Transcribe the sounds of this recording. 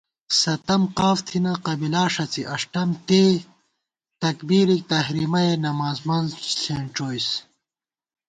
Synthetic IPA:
sɐt̪ɐmqaːft̪ʰinɐqɐbilaːʂɐt͡siʔɐʂʈɐmt̪eː | t̪ɐkbiːɾik̚t̪ɐhɾiːmɐjenɐmaːzmɐnzseːɳʈ͡ʂoːjs

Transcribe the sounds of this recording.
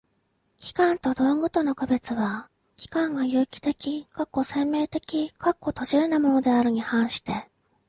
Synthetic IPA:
kʲi̥kãnt̪o̞d̪o̞ŋɡo̞t̪o̞no̞kabe̞t͡sɨβa | kʲi̥kãŋɡajɯ̟ːkʲi̥t̪e̞kʲikakːo̞sẽ̞mːe̞ːt̪e̞kʲikakːo̞t̪o̞ʑiɾɯ̟namo̞no̞d̪e̞aɾɯ̟ɲ̟ihãɰ̃ɕi̥t̪e̞

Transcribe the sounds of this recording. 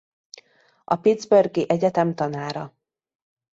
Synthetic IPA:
ɒpid̪zbørɡiʔɛɟɛt̪ɛmt̪ɒnaːɾɒ

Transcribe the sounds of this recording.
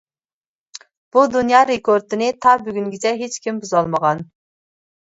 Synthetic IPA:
b̥ud̪unjɑːɾekʰoɾt̪ʰɨnɪt̪ʰɑbyɡʲyŋɡʲit͡ʃʰɛɦet͡ʃkʲʰimbuzɑlˠməʁɑn

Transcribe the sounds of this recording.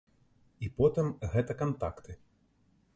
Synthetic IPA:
ipɔt̪ɨmɣɛt̪ɐkant̪a̰kt̪ɨ

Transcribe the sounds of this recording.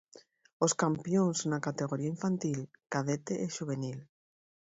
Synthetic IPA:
oskampjõŋsnakat̪eɣ̞oɾiaĩɱfant̪ilkaðet̪eʔeʃuβ̞enil

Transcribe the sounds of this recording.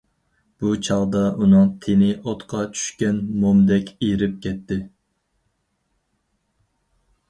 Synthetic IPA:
b̥ut͡ʃʰɑlˠd̪ɑʔunɨŋt̪ʰenɪʔot̪qʰɑt͡ʃʰy̥ʃkʲɛnmomd̪ɛkʲʰeɾɪp̚kʲʰɛt̪ːɪ

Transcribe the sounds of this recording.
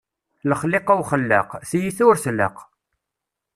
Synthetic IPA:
ləχleqawχəlːə̰qθjiθʊɾθlːə̰q

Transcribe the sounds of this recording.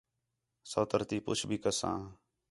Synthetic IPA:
səːt̪əɾt̪iːpʊ̰t͡ʃʰbʱiːkəsã̰ː

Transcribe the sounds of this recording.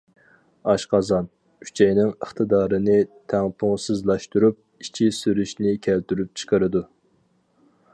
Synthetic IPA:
ɑʃqɑzɑn | kʰy̥t͡ʃʰɛjnɪŋəχt̪ʰɨd̪ɑːɾɨnɪt̪ʰæŋpʰuŋsɨzlˠɑʃt̪uɾup̚it͡ʃʰisyɾyʃnɪkʲʰælt̪yɾyp̚t͡ʃʰə̥qʰəɾɨd̪u

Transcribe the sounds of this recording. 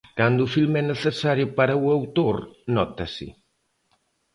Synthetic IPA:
kand̪ʊʊfilmɛneθesaɾjʊpaɾɐuawt̪oɾnɔt̪ɐsɪ̰

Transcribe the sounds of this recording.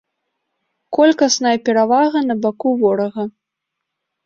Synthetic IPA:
kɔlʲkɐsnɐjɐpʲɛɾavaɣɐnɐbakuvɔɾɐɣɐ

